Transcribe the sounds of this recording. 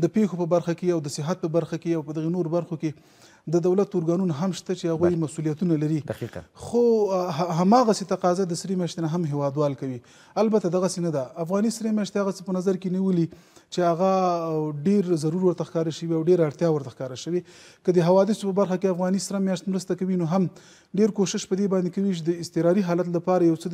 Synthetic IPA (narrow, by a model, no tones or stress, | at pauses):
d̪əpexopəbaɾxakeawd̪əsɪɦat̪̚pəbaɾxakeawpəd̪aɣenoɾobaɾxoke | d̪əd̪awlat̪ʊɾɡɑnunaɦamʃt̪at͡ʃehaɣujmasulijat̪unalaɾid̪aqxo | ɦamɑɣaset̪aqɑzad̪əsɾemjɑʃt̪enaɦamɦewɑd̪wɑlkawi | albat̪ad̪aɣasenad̪aːfɣɑnisɾemjɑʃt̪ehaɣat͡səpənazaɾkeniwəli | t͡ʃeaɣaɖeɾzaɾuɾwəɾt̪axkɑɾaʃəwiawɖeɾaɽt̪jɑwəɾt̪axkɑɾaʃəwekəd̪əɦawɑd̪ɪsopəbaɾxakeafɣɑnisɾamjɑʃt̪mɾəst̪akawinoɦam | ɖeɾkoʃɪʃpəd̪ebɑnd̪ekawit͡ʃed̪əɪst̪ɪɾɑɾiɦɑlat̪lapɑɾajawt͡sə